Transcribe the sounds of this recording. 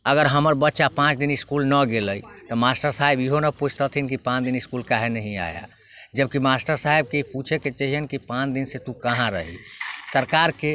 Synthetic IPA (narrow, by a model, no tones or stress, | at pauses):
əɡəɾɦəməɾbət̪ːʃapãt͡ʃd̪iniskulnəɡeləjt̪ɔmasʈəɾsaebiɦonəput͡ʃʰt̪ət̪ʰinkipãt͡ʃd̪iniskulkaɦenəɦĩa̰ja̰ | d͡ʒəb̚kimasʈəɾsaɦeb̚keiput͡ʃʰeket͡ʃəɦiənkipãt͡ʃd̪inset̪ukəɦãɾəɦḭsəɾkaɾke